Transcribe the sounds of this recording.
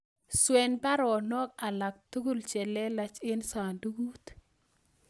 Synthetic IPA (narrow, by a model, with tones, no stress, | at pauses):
swɛ˨nba˦ɾɔ˨nɔ˦ka˨la˨k̚t̪u˦ɡu˦lt͡ʃɛ˨lɛ˦la˨t͡ʃe˦nsa˨ndu˦ɡu˦t̪